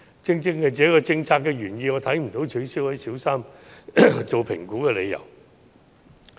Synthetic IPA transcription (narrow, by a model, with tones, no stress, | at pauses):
t͡sɪ˥ŋt͡sɪ˥ŋkɛ˧t͡sɛː˨˥kɔː˧t͡sɪ˧ŋt͡sʰaː˧kːɛː˧ɥyː˨˩njiː˧ŋɔː˨˧t̪ʰɐ˨˥jm̩˨˩t̪o˨˥wt͡ʃʰɵ˨˧˥ɥsiː˨˥whɐ˨˥jsiː˨˥wsaː˥m | t͡ʃo˨wpʰɪ̰˨˩ŋkuː˨˥kɛː˧le˨˧jɐ̰˨˩w